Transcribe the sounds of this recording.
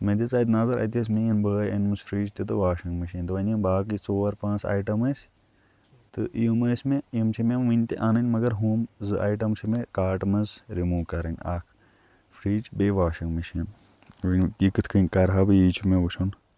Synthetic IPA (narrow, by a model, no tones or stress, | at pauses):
mɐd̪ʲit͡saːd̪naːzɐɾɐ̰t̪̬ʲɐs̬ʲmeinbəːjɐnʲmɨsfʰɾiːd͡ʒt̪ʲit̪ɨʋaːʃɐŋɡmɐʃiːnt̪ɨʋɐnʲɐnbaːkit͡soːɐɾpãːnt͡sʰa̰ːʈɐmɐsʲ | t̪ɨʔḭjumɐːsʲmẽjimt͡ʃʰimemʋɨnʲt̪ḛʔaːnɐnʲmɐɡɐɾɦuːmzɨʔa̰ːjʈɐmt͡ʃʰimẽkaːʈmɐzɾimuːʋkɐɾɐnʲaːkʰ | fɾiːd͡ʒbeːʋaːʃiŋɡmɐʃiːn | ʋɐnʲkikɨt̪ʰkʰɨnʲkɐɾɦɐbɨjiːt͡ʃʰumẽʋuʃʰun